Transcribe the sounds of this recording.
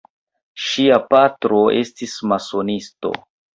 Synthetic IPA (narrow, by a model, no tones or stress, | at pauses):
ʃiapatɾo̞e̞stismaso̞nisto̞̰